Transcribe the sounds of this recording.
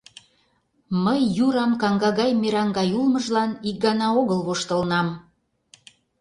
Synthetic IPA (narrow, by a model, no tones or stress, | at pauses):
məjːuɾɑmkɑŋɡɑɣɑjmeɾɑŋɡɑjulməʒlɑnik̚ɡɑnɑoɣəlβoʃt̪ə̆lnɑm